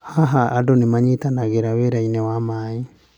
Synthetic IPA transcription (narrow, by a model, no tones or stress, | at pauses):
haɦaadonemaɲitanaɣeɾaweɾainɛwamai